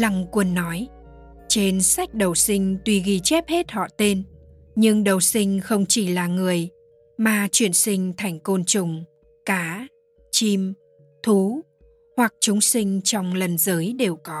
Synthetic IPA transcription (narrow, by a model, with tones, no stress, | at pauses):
la˨˩ŋkwə˧˩nːɔ˨˦j | t͡ɕe˧nsa˦˥jk̟̚ɗə˨˩wsï˧ŋ̟t̪wi˧ɣi˧t͡ɕɛ˦˥p̚he˦˥t̚hɔ̰˧˨t̪e˧n | ɲɨ˧ŋɗə˨˩wsï˧ŋ̟xə˧wŋ͡mt͡ɕi˧˩laː˨˩ŋɨ˨˩əj | maː˨˩t͡ɕwi˧˩ənsï˧ŋ̟t̪ʰa˨˩jŋ̟ko˧nt͡ɕʊ˨˩ŋ͡m | kaː˨˦ | t͡ɕi˧m | t̪ʰu˨˦ | hwa˨˩k̚t͡ɕʊ˨˦ŋ͡msï˧ŋ̟t͡ɕɔ˧wŋ͡mlə˨˩nzəː˨˦jɗe˨˩wkɔ˨˦